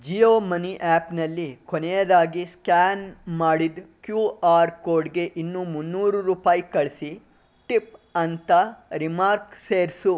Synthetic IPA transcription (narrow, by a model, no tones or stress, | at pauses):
d͡ʒijoːmɐniʔaːpnɐlːikonɛjɐd̪aːɡiskaːnmaːɽid̪kjuːaːɾkoːɾɖɡe̞ʔinːumunːuːɾuɾuːpaːjikɐɭsi | ʈipɐnt̪ɐɾimaːɾkseːɾsu